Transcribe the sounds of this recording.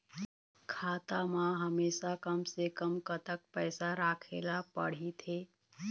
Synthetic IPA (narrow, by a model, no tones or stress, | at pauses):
kʰaːt̪amãɦɐmeːʃakɐmsekəmkət̪ək̚pɛːsaɾaːkʰḛːlapɐ̰ɽ̤it̪ʰeː